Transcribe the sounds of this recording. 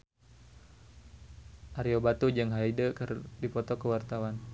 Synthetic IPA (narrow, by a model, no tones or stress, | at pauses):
ʔaɾiobat̪ud͡ʒɨŋɦaidəkərdipɔt̪ɔkəwart̪awan